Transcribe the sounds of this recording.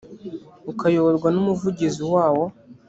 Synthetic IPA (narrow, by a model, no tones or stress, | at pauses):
ukʰajoβoɾɡwanumuvuɟiziwaːwo̞